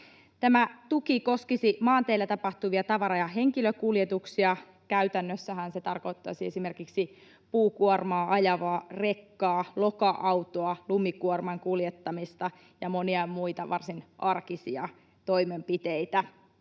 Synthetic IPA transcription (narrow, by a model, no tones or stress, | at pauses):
t̪æmæt̪ukiko̞skisimɑːnt̪eːlːæt̪ɑpɑht̪uʋiɑt̪ɑʋɑɾɑjɑɦe̞ŋkiløkuljet̪uksiɑ | kæyt̪ænːøsːæɦænset̪ɑrko̞it̪ːɑ̰siesime̞rkiksi | puːkuormɑːʔɑjɑʋɑːre̞kːɑːlokɑʔɑwt̪oɑlumikuormɑŋkuljet̪ːɑmist̪ɑ | jɑmo̞niɑmuit̪ɑʋɑrsinʔɑrkisiɑ | t̪o̞imempit̪eit̪æ